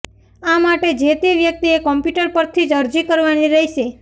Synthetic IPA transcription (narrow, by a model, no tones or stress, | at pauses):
amaʈed͡ʒet̪iʋjək̚t̪iekɔmpjuʈəɾpəɾt̪ʰid͡ʒəɾd͡ʒikəɾʋaniɾəɦiʃe